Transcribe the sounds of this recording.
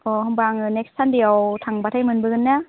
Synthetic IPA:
ɔɦɯmbaŋɯnek̚stʰandijawtʰaŋbatʰajmɯnbɯɡɯnːa

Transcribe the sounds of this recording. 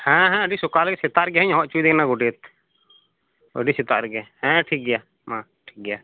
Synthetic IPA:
hɛ̃ɦɛ̃əɖisɔkalkɛsɛt̪aɾɡɛɦəɲɦɔʔt͡ʃuid̪ɛkʰnaɡɔɖet̪̚ | ə̰ɖisɛt̪aʔɾɡɛhɛ̃ʈʰik̚ɡɛja | mã | ʈʰik̚ɡɛja

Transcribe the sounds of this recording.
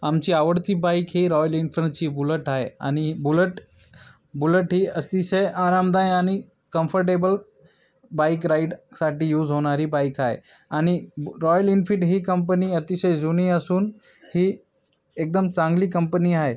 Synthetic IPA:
amt͡ɕiaʋəɽt̪ibaikɦiːɾɔjəlinfɾənt͡ɕibuləʈaɦea̰ñibuləʈ | buləʈɦiəst̪iɕəjʔaɾamd̪ajañi | kə̃mfəɾʈebəl | bajkɾaiɖsaʈijuːd͡zɦoɽ̃aɾiːbajkaɦḛ | añiɾɔjəlinfiʈɦiːkəmpəniət̪iɕəjd͡zuniəsuːn | ɦi | ek̚d̪əmt͡sãŋɡliːkəmpəniaɦe

